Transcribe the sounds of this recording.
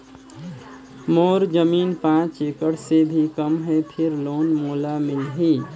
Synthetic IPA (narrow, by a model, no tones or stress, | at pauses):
moɾd͡ʒəmiːnpãt͡ʃekəɽsebʱikəmɦɛpʰɪɾloːnmoːlamɪlɦi